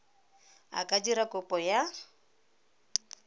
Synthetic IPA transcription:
a̰kʼad͡ʒiɾakʼʊpʼɔja

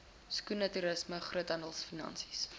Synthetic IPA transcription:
skunɐtyɾəsməχruətɐndəlˠsfinɐ̰nsi̥s

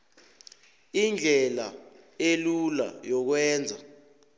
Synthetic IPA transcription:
ind͡ɮʱɛla̰ | elula̰jɔk̬wɛːnd͡zʱa

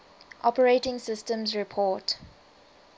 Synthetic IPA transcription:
ʔɔpəɹetɪ̃ŋsɪstə̃mzɹipʰɔːt

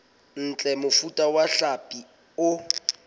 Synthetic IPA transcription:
n̩t͡ɬʼɛmʊfutʼawaɬapʼi | ʊ

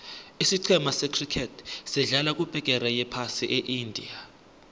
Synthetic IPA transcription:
isiǀʰɛmasɛkʰrikʰɛtʰsɛɮalak̬ʼub̥ʱɛk̬ʼɛɾɛjɛpʰasiʔeʔindʱḭa

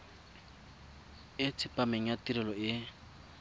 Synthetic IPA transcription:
ɪt͡sʰɪpʼameŋ̩jatiɾɪlɔɪ

